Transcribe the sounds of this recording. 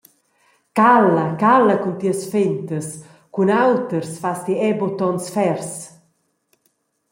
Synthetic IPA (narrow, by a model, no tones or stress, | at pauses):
kalɐkalɐkunt̪iəsfent̪əs | kunawt̪əɾsfast̪iɛbot̪ɔnsfɛɾs